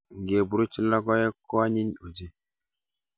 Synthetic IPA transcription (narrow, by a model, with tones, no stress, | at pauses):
ŋ˨ɡe˨bu˨ɾu˦t͡ʃi˦a˦kɔ˦je˦kɔ˦a˦ɲi˦ɲu˨d͡ʒi˦